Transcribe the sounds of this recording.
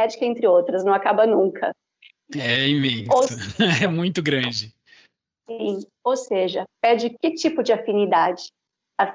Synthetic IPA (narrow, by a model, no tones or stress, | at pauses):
ɛd͡ʒɪ̥kɐẽnt̪ɾɪowt̪ɾɐznɐ̃w̃akabɐnũkʰɐ | ɛĩmẽoɛmũj̃t̪ʊɡɾɐ̃d͡ʒɪ | sĩ | owseʒɐpɛd͡ʒɪkɪt͡ʃipʊd͡ʒɪafinid̪ad͡ʒɪ̥ | a